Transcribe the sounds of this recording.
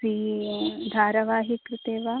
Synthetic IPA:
ɾiːd̪ʱaːɾɐʋaːɦikɾɪt̪eːʋaː

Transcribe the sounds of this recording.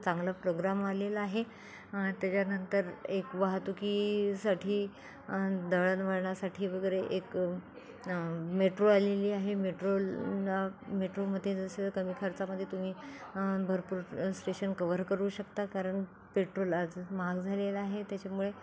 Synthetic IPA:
t͡saŋɡlapɾoɡɾamalelaaɦe | t̪jat͡ɕjanənt̪əɾekʋaɦt̪ukisaʈʰiː | d̪əɭənʋəɽɳasaʈʰiːʋəɡəɾeʔek | meʈɾoaleliːaɦemeʈɾollameʈɾoməd̪ʱjed͡zəsekəmiːkʰəɾt͡saməd̪ʱːjet̪um̤iːbʱəɾpuːɾsʈeɕənkəʋəɾkəɾuːɕəkt̪akaɾəɳ | peʈɾolad͡zmaɡd͡zʱalelaaɦet̪jat͡ɕamuɭe

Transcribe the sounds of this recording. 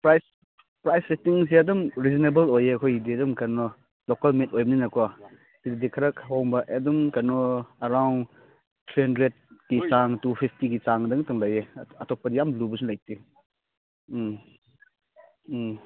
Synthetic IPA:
pɾajs | pɾajssetiŋs̬iɐdɔmɾizinebɐlojeɐkʰojidiɐdɔmkaɾnɔ | lokalmetojbɐninɐkua | sididikʰaɾɐkʰhɔwŋbɐʔedumkaɾnɔɐɾawn | tʰɾihandɾed̚kit͡ʃaŋtupʰipʰtiɡit͡ʃaŋdɯŋtɯŋlajeɐtɔk̚pɐdijamlubɐsunlajti

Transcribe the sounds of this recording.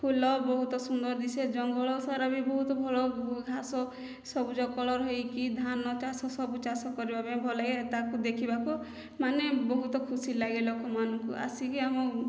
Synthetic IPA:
pʰulɔbɔɦut̪ɔsund̪ɔɾd̪ised͡ʒɔŋɡɔɭɔsaɾabibɔɦut̪ɔbʱɔɭɔɡʱasɔ | sɔbud͡ʒɔkɔɭɔɾɦɔjkid̪ʱanɔt͡ʃasɔsɔbut͡ʃasɔkɔɾibʱabebʱɔlaket̪akud̪ekʰibaku | manebɔɦut̪ɔkʰusilaɡilɔkɔmanɔŋkuʔa̰sikiamɔ

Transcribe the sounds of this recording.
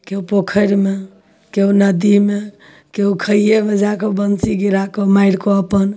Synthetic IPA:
keɦupokʰəɾme | keɦunəd̪ime | keɦukʰəjemed͡ʒakɔbənsiɡiɾakomaiɾkoəpən

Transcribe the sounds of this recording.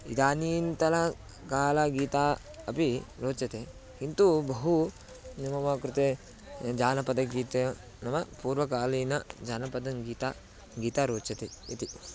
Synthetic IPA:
ḭd̪aːniːnt̪ɐlɐ | kaːlɐɡiːt̪aː | ɐpiɾoːt͡ʃɐt̪e | kint̪ubɐɦu | nimɐmɐkɾit̪e | d͡ʒaːnɐpɐd̪ɐɡiːt̪e | nɐmɐpuːɾʋɐk̬aːlɐjnɐd͡ʒaːnɐpɐd̪ɐŋɡiːt̪a | ɡiːt̪aɾoːt͡ʃɐt̪eit̪i

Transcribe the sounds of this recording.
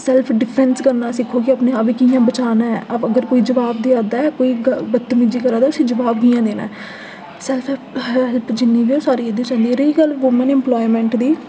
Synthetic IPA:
sɛlpʰɖɪpʰɾɛnskəɾnãːsɪkʰːoːkɪəpneːaːbiːkijãːbət͡ʃaːnãːɛəəɡəɾkoːiːd͡ʒəʋaːb̚d̪iːaːd̪aːɛkoːiːɡəbət̪ːmɪd͡ʒiːkəɾaːd̪aːʊsĩːd͡ʒəʋaːbɡijãːd̪eːna̰ːɛ | sɛlpʰ | ɦɛlpd͡ʒɪnːiːbiːoːsaːɾiːed̪ĩt͡ʃãːnd̪iːɾiiːɡəlʋʊmənɪ̃mplɔːimɛ̃ːɳʈd̪iː

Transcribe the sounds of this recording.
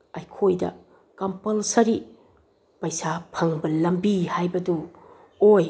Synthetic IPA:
ɐjkʰojdɐ̰ | kɐmpɐlsɐɾi | pɐjsapʰɐŋbɐlɐmbihajbɐdu | oj

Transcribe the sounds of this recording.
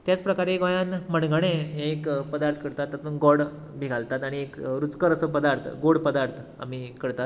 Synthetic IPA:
t̪jat͡spɾəkaɾeɡɔjanməɳɡɽ̃eekpəd̪aɾt̪ʰkəɽt̪at̪ːat̪unɡɔɽ | bʱiɡʱalt̪at̪aɽ̃iekɾut͡skəɾəsəpəd̪aɾt̪ʰɡoɽpəd̪aɾt̪ʰa̰mikəɽt̪at̪

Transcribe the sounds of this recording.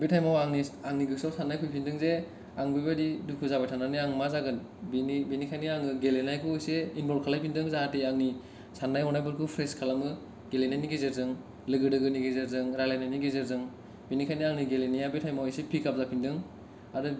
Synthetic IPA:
betʰajmawaŋniaŋniɡɯsawsanːajkʰujpʰindɯŋze | aŋbibadidukʰuzabajtʰananiaŋmazaɡɯn | binibinikʰajniaŋɯɡelenajkʰuɯjseinbɔɾkʰalajpʰindɯŋzaɦatiaŋni | sanːajɔnajbɯɾkʰupʰɾeskʰalamɯ | ɡelenajniɡezeɾzɯŋ | lɯɡɯdɯɡɯniɡezeɾzɯŋɾalajnajniɡezeɾzɯŋ | binikʰajniaŋniɡelenijabetʰajmawejsepʰikap̚zapʰindɯŋ | adɯ

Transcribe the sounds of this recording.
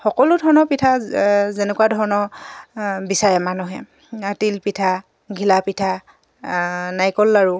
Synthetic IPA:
xɔkɔlʊdʱɔɹnɔpitʰazenɛkuwadʱɔɹɔnɔ | bisaɹɛmanuɦɛ̰ | tilpitʰa | ɡʱilapitʰa | najkɔlːaɹu

